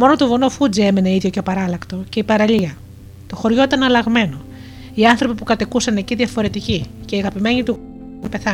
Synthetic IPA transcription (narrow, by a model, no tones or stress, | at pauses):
mo̞no̞t̪ovonofud͡zie̞mene̞iðʝo̞cepɐɾɐlɐkt̪o̞ce̞ipɐɾɐʎiɐ | t̪o̞xo̞ɾʝo̞it̪ɐnɐlɐɣme̞no̞ | iɐnθɾo̞pipukɐt̪ikusɐne̞ciðʝɐfo̞ɾe̞t̪icice̞iɐɣɐpime̞ɲit̪u | npe̞θɐ